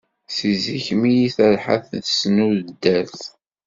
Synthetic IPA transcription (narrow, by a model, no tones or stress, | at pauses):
siziçmijiθəlħa̰θθsnuðəd̪ːæθ